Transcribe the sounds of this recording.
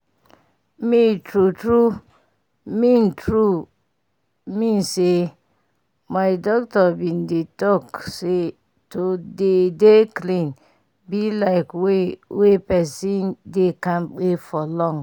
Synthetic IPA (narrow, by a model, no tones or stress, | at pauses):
mitɾutɾu | mĩntʰɾu | mĩnse | majdɔktɔbĩndetɔkse | todedeklĩn | bilaɪkwewepɛsindekãmk͡pefɔlɔ̃ŋ